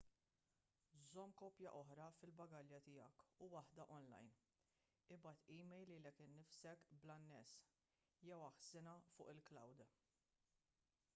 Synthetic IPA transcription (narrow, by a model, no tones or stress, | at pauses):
zɔmːkɔːpjɐʔɔħɾɐfɪlbɐɡɐljɐt̪ɪjɐ̰kuwɐħd̪ɐʔɔnlɐ̰jn | ɪbɐt̪iːmɛjlilɛkɪnːɪfsɛkblɐnːɛs | jɛwɐħsɪnɐfʊ̰ːʔɪlklɐ̰wd̪